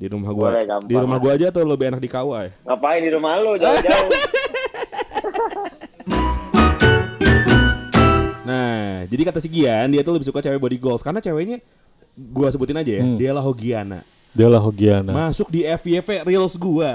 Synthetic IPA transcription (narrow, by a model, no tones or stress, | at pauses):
diɾumahɡuaadiɾumahɡuad͡ʒaːt̪awləbɪenak̚dikawajŋapaɪdiɾumalod͡ʒad͡ʒa | nad͡ʒadikat̪asiɡiandiat̪uləbɪhsukat͡ʃawɛbuoadiɡɔlskarnat͡ʃaweɲa | ɡuas̬əbut̪ɪnad͡ʒajadialaɦoɡiana̰ | dialaɦoɡianamasʊk̚diɛfiɛferilsɡua